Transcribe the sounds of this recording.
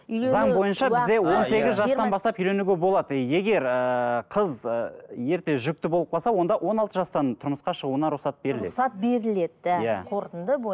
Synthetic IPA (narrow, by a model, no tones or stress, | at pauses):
zɑŋbo̞jənʃɑbɪzd̪e̞wo̞ne̞ɡʲɪzʒɑsɑnbɑst̪ɑpʏjle̞nuɡʲebo̞lˠɑd̪əje̞ɡʲe̞ɾəqʰəzəje̞ɾt̪e̞ʒʏk̚t̪ɪbolˠəpqʰɑlˠsɑwo̞nd̪ɑwʔo̞nɑlˠt̪əʒɑst̪ɑnt̪ʰʊɾməsqɑʃəʁuənɑɾuχsɑt̪̚be̞ɾɪleɑt̪̚be̞ɾɪled̪̚æjæqʰoɾt̪ənd̪əb